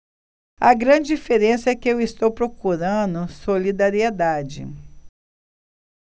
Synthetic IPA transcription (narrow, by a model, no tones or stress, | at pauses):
ɐɡɾɐ̃d͡ʒɪd͡ʒifeɾẽsɐɛkɪewist̪owpɾokuɾɐ̃d̪ʊsolid̪aɾied̪ad͡ʒɪ̰